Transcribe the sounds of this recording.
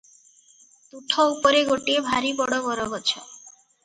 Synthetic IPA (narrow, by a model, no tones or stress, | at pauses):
t̪uʈʰɔupɔɾeɡoʈiebʱaɾibɔɽɔbɔɾɔɡɔt͡ʃʰɔ